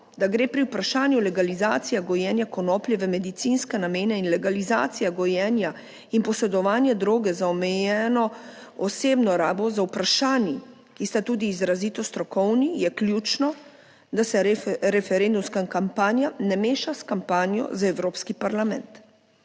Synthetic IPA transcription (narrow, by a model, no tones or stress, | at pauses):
d̪aɡɾeːpɾiuwpɾaʃaːnjulɛɡalizaːt̪sijaɡɔjɛːnjakɔnɔːpljɛʋɛmɛd̪it̪sinskɛnameːnɛinlɛɡaliza̰ːt̪sijaɡɔjɛnja | inpɔsɛd̪ɔʋaːnjɛd̪ɾoːɡɛzaɔmɛjɛːnɔ | ɔseːbnɔɾaːbɔzawpɾaʃaːnji | kist̪at̪uːd̪iːzɾazit̪ɔst̪ɾɔkɔwnijɛklʲjuːt͡ʃnɔ | d̪asɛɾɛfɛɾend̪umskaŋkampaːnjanɛmeːʃaskampaːnjɔ̰zaɛwɾoːpskipaɾlamɛ̰̃nt̪